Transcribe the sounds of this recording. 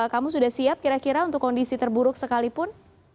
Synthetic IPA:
kamusudahsiap̚kiɾakiɾaunt̪ʊkːɔndisit̪ərbuɾʊksəkalipʊn

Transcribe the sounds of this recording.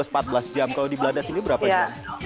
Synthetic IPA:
əsəmpat̪̚bəlasd͡ʒamkalawdibəladasinibəɾapajaa

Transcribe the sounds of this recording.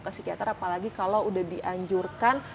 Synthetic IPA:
kasikiat̪aɾapalaɡikalawudahdiʔaɲd͡ʒurkan

